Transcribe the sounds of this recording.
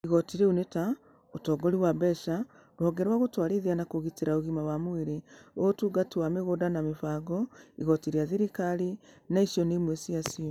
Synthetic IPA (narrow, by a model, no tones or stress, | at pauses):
iɣɔtiɾeuneta | otɔɡɔɾiwabɛʃa | ɾwɔɡɛɾwaɣotwaɾeðianakoɣiteɾaoɣimawamweɾeotuɡatiwameɣodanamefaːɡɔiɣɔtiɾiaðeɾikaɾinaiʃiɔnemwesiasiɔ